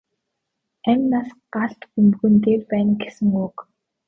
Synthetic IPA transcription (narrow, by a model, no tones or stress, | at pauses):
æmʲnaːsɢaɬt̪xumɣɘ̆nt̪eːrpæːnɡesɘ̆ŋʊk